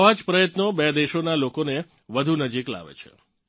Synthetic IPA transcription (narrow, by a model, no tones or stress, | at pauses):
ʋad͡ʒpɾəjət̪nobed̪eʃonalokone | ʋəd̪ʱunəd͡ʒikla̰ʋḛt͡ʃʰḛ